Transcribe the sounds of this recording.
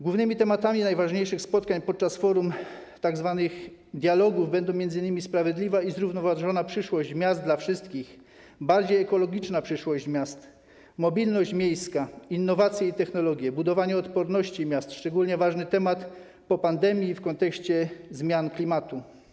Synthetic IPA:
zɡwuvnɘmʲit̪ɛmat̪amʲinajvaʐɲejʂɘxspɔt̪kaɲpɔt̪̚t͡ʂasfɔɾum | t̪aɡzvanɘx | d̪ʲjalɔɡuvbɛnd̪ɔ̃mʲjɛnzɘɲimʲispɾavʲjɛd̪lʲivaizɾuvnɔvaʐɔnapʂɘʂwɔʑd͡ʑmʲjazd̪d̪lafʂɘst̪kʲix | baɾd͡ʑejɛkɔlɔɡʲit͡ʂnapʂɘʂwɔʑd͡ʑmʲjast̪ | mɔbʲilnɔɕt͡ɕmʲjejskainːɔvat̪sʲjɛit̪ɛxnɔlɔɡʲjɛbud̪ɔvaɲɛɔt̪pɔɾnɔɕt͡ɕimʲjast̪ʂt͡ʂɛɡulɲɛvaʐnɘt̪ɛmat̪ | pɔpand̪ɛmʲjifkɔnt̪ɛkɕt͡ɕɛzmʲjanklʲimat̪u

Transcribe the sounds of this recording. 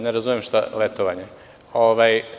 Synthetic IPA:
neɾazumjemʃt̪a̰let̪oʋaɲe | oʋaj

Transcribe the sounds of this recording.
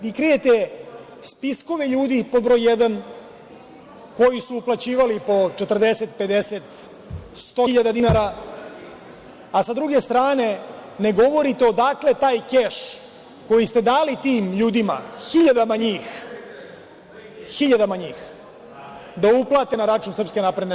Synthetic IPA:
ʋikɾije̞t̪e | spisko̞ʋeʎuːd̪ipo̞d̪bɾo̞jːed̪an | ko̞jisuuplat͡ɕiːʋalipo̞t͡ʃet̪r̩d̪ese̞t̪pe̞d̪e̞set̪ | st̪oʎad̪ad̪inaɾa | asad̪ɾuɡe̞st̪ɾaːne̞ne̞ɡo̞ʋo̞ɾit̪eo̞d̪akle̞t̪aːjkeʂ | ko̞jist̪e̞d̪aːlit̪iːmʎuːd̪ima̰xiʎad̪amaɲiːx | xiʎad̪amaɲiːx | d̪auplˠaːt̪e̞naɾat͡ʃunsr̩pske̞napɾed̪ne

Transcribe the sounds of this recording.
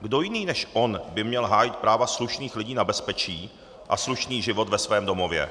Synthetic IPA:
ɡdo̞jɪniːnɛʃʔo̞nbɪmɲɛlɦaːjɪt̪̚pɾaːvasluʃniːxlɪɟiːnabɛspɛt͡ʃiː | ʔa̰sluʃniːʒɪvo̞t̪vɛsvɛːmdo̞mo̞vjɛ̰

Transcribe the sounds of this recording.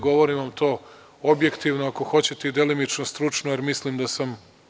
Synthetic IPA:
ɡo̞ʋo̞ɾiʋamt̪o̞ː | obje̞kt̪iʋnoako̞xo̞t͡ɕe̞t̪eid̪e̞limit͡ʃnost̪ɾut͡ʂnojeɾmislimd̪asam

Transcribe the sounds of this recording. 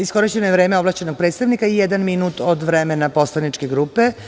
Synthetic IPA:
isko̞ɾit͡ɕe̞nojeʋɾeːmeo̞blˠaʃt͡ɕe̞no̞ɡ̚pɾeːt̪st̪aʋnikaijed̪anminuːt̪od̪ʋɾemenapo̞slˠanit͡ʃke̞ɡɾuːpe̞

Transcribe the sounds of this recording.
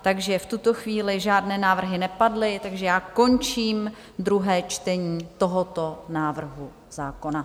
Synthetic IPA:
t̪aɡʒɛft̪ut̪o̞xviːlɪʒaːdnɛːnaːvr̩ɦɪnɛpadlɪt̪aɡʒɛjaːko̞nt͡ʃiːm | d̪ɾuɦɛːt͡ʃt̪ɛɲiːt̪o̞ɦo̞t̪o̞naːvr̩ɦu | zaːko̞na

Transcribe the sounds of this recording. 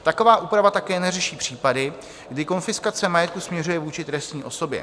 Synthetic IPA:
t̪ako̞vaːʔuːpɾavat̪akɛːnɛrɛʃiːpr̝̥iːpadɪ | ɡdɪko̞nfɪskat͡sɛmajɛt̪̚kusmɲɛrujɛvuːt͡ʃɪt̪ɾɛst̪ɲiːʔo̞so̞bjɛ̰

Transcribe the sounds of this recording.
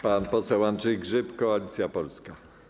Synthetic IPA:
panpɔsɛwanʐɛjɡʐɘpkɔalʲit̪sʲjapɔlska

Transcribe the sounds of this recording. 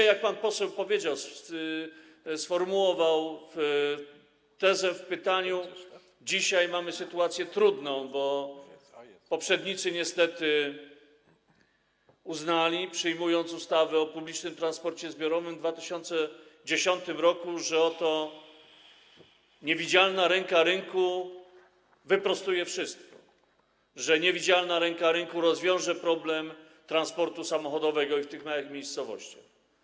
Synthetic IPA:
jak̚panpɔsɛwpɔvʲjed͡ʑaws | sfɔɾmuwɔvawf | t̪ɛzɛfpɘt̪aɲu | d͡ʑiɕajmamɘsɘt̪uat̪sʲjɛt̪ɾud̪nɔ̃w̃bɔ | pɔpʂɛd̪ɲit̪sɘɲɛst̪ɛt̪ɘ | uznalʲipʂɘjmujɔnt̪sust̪avɛɔpublʲit͡ʂnɘmt̪ɾanspɔɾt͡ɕɛzbʲjɔɾɔvɘmd̪vat̪ɘɕɔnt̪sɛd͡ʑeɕɔnt̪ɘmɾɔkuʐɛɔt̪ɔ | ɲevʲid͡ʑalnaɾɛŋkaɾɘŋku | vɘpɾɔst̪ujɛfʂɘst̪kɔ̥ | ʐɛɲɛvʲid͡ʑalnaɾɛŋkaɾɘŋkuɾɔzvʲjɔ̃w̃ʐɛpɾɔblɛm | t̪ɾanspɔɾt̪usamɔxɔd̪ɔvɛɡɔift̪ɘxmajaxmʲejst̪sɔvɔ̰ɕt͡ɕa̰x

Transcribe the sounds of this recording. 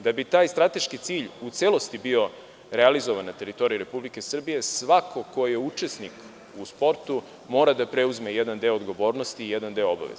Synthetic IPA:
d̪abit̪aːjst̪ɾat̪e̞ʃkit̪siːʎut̪selo̞st̪ibio̞ | ɾealizoʋanat̪e̞ɾit̪o̞ɾijuɾe̞publike̞sr̩bije̞sʋakʰo̞ko̞jeut͡ʃe̞snik | uspo̞ɾt̪u | mo̞ːɾad̪apɾe̞uzme̞jed̪and̪e̞oːd̪ɡo̞ʋo̞ːɾno̞st̪iːjed̪and̪e̞ooba̰ʋḛz

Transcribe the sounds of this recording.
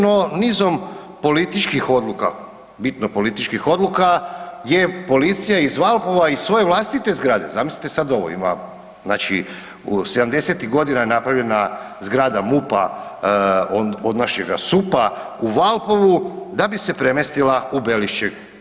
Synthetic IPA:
nonizo̞m | po̞lit̪it͡ʃkixo̞d̪luka̰ | bit̪no̞po̞lit̪it͡ʃkixo̞d̪lukaje̞po̞lit̪sijaizʋalˠpo̞ʋaisʋo̞je̞ʋlˠast̪it̪e̞zɡɾaːd̪e̞̰zamislʲi̥t̪esad̪o̞ʋo̰ḭma̰ | naːt͡ʃḭ | use̞d̪amd̪e̞set̪iɣɡo̞d̪inaenapɾavʋʎʲe̞na | zɡɾaːd̪amupa̰ | ood̪naʃɲeɡa̰supa | uʋalˠpo̞ʋud̪abise̞pɾe̞mest̪ilaubeliʃt͡ʃe

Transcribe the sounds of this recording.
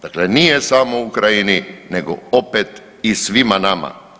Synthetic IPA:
d̪̥aklenijesamoukɾajinineɡo̰opet̪ | isʋimanama̰

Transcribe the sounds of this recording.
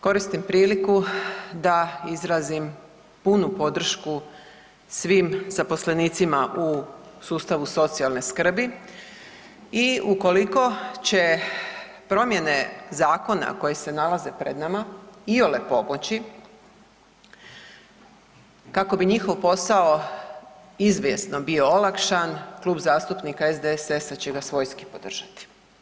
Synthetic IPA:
ko̞ɾist̪impɾiːlikud̪aizɾaːzim | punupo̞d̪r̩ʃku | sʋiːmz̥apo̞sleniːt̪simaʔusuːst̪aʋuso̞t̪sialˠne̞skr̩bi | iuko̞liko̞t͡ɕe̞ | pɾo̞mje̞ne̞zaːko̞na̰ko̞je̞se̞nalaze̞pɾe̞d̪namaiolepo̞mot͡ɕi | kako̞biɲixo̞ʋpo̞sao | izʋje̞sno̞bio̞olˠakʃanklˠuːbzaːst̪upnikaezd̪eesesat͡ɕeɡasʋo̞ːjskipo̞d̪r̩ʒ̥at̪i̥

